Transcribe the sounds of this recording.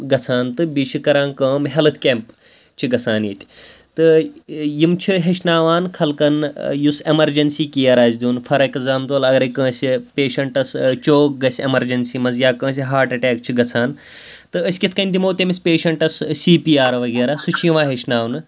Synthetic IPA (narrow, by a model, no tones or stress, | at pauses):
ɡɐt͡sʰaːnt̪ɨbiʃikɐɾaːnkɐ̃ːmɦɛlɨt̪ʰkʲeːmp | t͡ʃʰiɡɐt͡sʰaːnjit̪ʲt̪ɨjimt͡ʃʰiɦeʃnaːʋaːnkʰɐlkɐnjusemɐɾd͡ʒɐnsiːkijɐɾaːsʲd̪ʲuːnfɐɾɐkɐzaːmt̪uɐlɐɡɐɾɐkə̃ːsʲipʲeːʃɐɳʈɐst͡ʃoːk̚ɡɐsʲemɐɾd͡ʒɐnsiːmɐzjaːkə̃ːs̬ʲiɦaːɾʈɐʈaːkt͡ʃʰiɡɐt͡sʰaːn | t̪ɨəsʲkʲit̪ʰkɐnʲd̪ʲimoːt̪ʲemisʲpeːʃɐɳʈɐssiːpiːaːɾʋɐɡeːɾaːsut͡ʃʰijiʋãːɦeʃnaːʋnɨ